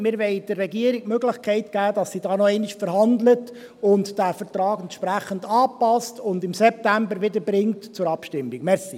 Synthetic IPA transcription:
mɪɾʋɛɪd̥ərːɛɡiəɾikmøɡləχkʰɛɪtɡ̥æːd̥ɑsːidɑːnɔɛɪniʃfəɾhɑndlət | ʊntd̥æfəɾtɾɑːɡɛntʃpɾæχəndɑːpɑstʊndɪmsɛp̚tæmbəɾʋɪdəɾbɾɪŋtt͡sʊɾɑpʃtɪmːikmɛɾsi

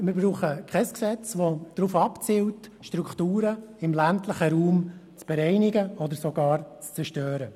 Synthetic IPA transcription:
mɪɾbruːχəkχɛsksɛt͡sʋod̥ɾuːfɑpt͡siːltʃtɾuktuːɾəɪmlæntləχəɾuːmt͡sb̥ɛɾɛɪnɪɡəɔd̪əɾsɔɡɑːɾt͡st͡sɛɾʃtøːɾə

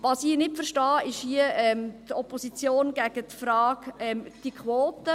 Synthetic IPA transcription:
ʋɑsiːnɪtfəʃtɑːɪʃhiəʔɛmt̪ɔposit͡sjoːnɡ̥æɡ̥ət̪fɾɑːɡɛmd̥ikʰʋoːt̪ə

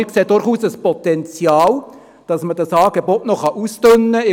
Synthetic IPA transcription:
kseːd̥ʊɾχuːsəspɔt̪ɛnt͡sjɑːl | d̥ɑsmədɑsɑːɡebɔtnɔχɑʔuːstønːəɪ

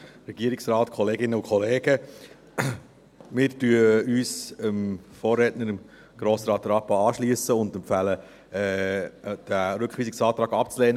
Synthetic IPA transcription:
ɾɛɡ̥iəɾɪksrɑːtkʰɔleːɡɪnːəʊkʰχɔleːɡə | mɪːɾtyəyːsəmfoːrːɛtnəɾəm | ɡ̥ɾoːsɾɑːt̚dəɾɑpɑɑːʃliəsəʊndɛmfælə | ɛ | d̥æɾɵkχʋiːsɪksɑːt̪ɾɑːɡɑpt͡sleːnə

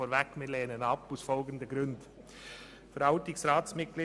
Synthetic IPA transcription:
ɔːɾvɛkmɪːleːnənɑpusfɔlɡən̩d̪əɡɾʏnd | fəɾɑʊtɪksɾɑːtsmɪt̚ɡliː

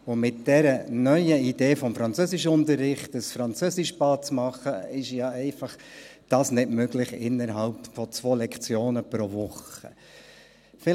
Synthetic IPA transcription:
ʊmɪt̚d̥ɛɾənœʏəideːfɔmfɾɑnt͡søsɪʃəʊntəɾːɪχtəsfɾɑnt͡søsɪʃpɑːt͡smɑχəɪʃjɑɛɪfɑχd̥ɑːsnɪdmøɡlɪχɪ̰nːəɾɦɑlpfɔt͡sʋoːlɛkt͡sjoːnəpɾɔvʊχə̰ | fɪ

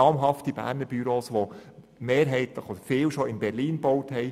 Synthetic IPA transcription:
ɑːmɦɑftibæ̰ːɾnəɾb̥yɾoːsʋo | meːɾɦɛɪt̪ləχod̥̪əɾfɪːwʃoɪnbɛɾliːnbɔwthɦɛɪ

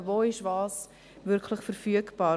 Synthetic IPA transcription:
voːɪʃvɑːs | vɪɾkʰlɪχfəɾfyəkb̥ɑː

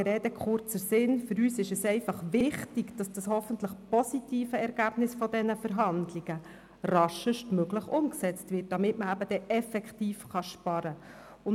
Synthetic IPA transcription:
ɾɛːdəkχʊrt͡səsɪnfʏɾyːsɪʃɛsɛɪfɑχʋɪχtɪɡd̥ɑsd̥ɑshɔfən̩tləχpɔsitiːfəɛɾɡ̥æːb̥nɪsfɔdɛnəfəɾɦɑndlɪɡ̥ə | rɑʃəʃtmøɡləχʊmksɛt͡stvɪt̚d̥ɑmɪtməæbəd̥ɛʔɛfɛktiːfχɑʃpɑɾə | ʊn

